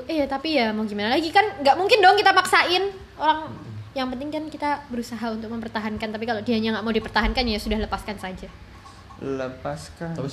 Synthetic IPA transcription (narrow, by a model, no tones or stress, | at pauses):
ijat̪apijamaɡimanalaɡikanŋɡaʔmuŋkɪndoŋkit̪amaksaɪn | oɾaŋjaŋpənt̪ɪŋkankit̪abəɾusaɦaunt̪̬ʊk̚məmpərt̪aɦankant̪apikalodiaɲaŋɡaʔmaudipərt̪aɦankanjasudahləpaskansad͡ʒa | ləpaskaai